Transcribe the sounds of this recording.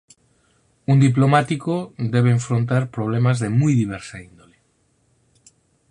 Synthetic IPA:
und̪ip̬lo̞mat̪ikod̪e̞β̞eːɱfɾo̞nt̪aɾpɾo̞β̞le̞mazðe̞mujðiβ̞eɾsaind̪o̞le

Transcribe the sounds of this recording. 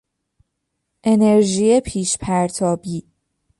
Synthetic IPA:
ʔe̞ne̞ɾʒiepʰiːʃpʰæɾt̪ʰɒːbiː

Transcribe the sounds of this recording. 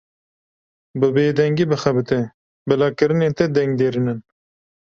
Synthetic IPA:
bɨbeːd̪ɛŋɡiːbɨxɐbɨt̪ɛ | bɨlɑːkɨɾɨneːt̪ɛd̪ɛŋɡ̚d̪eːɾinɨn

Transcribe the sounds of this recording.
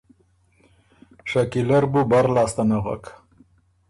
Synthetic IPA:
ʂakilaɾbubaɾlɑːst̪anaɣa̰k

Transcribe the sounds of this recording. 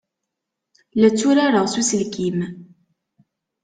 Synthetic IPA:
læt͡sːʊɾaɾəʁsusəlkʰim

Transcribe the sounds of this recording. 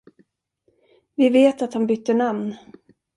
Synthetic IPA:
vɪveːt̪at̪hanbʏt̪ːəɳamn

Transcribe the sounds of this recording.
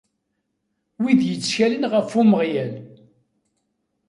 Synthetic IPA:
wiðjət͡sːçælənʁəfuməʁjæl

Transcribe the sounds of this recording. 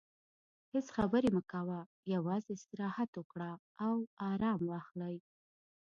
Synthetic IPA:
hɪsxabəɾeməkawa | jawɑzeɪst̪ɪɾɑhat̪wəkɽa | awɑɾɑmwɑxlaj

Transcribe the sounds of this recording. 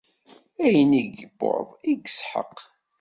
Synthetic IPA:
æjəniɡəbːo̰ðˤiɡəsħə̰q

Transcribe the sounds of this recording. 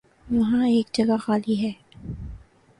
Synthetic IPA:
ʋɐɦãeːkd͡ʒɐɡaxaːliɦɛː

